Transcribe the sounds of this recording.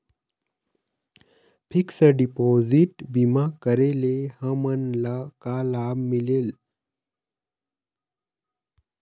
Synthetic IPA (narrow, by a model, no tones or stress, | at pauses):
pʰiksəɖipoziʈbimakəɾelehə̃mənlakalabmilel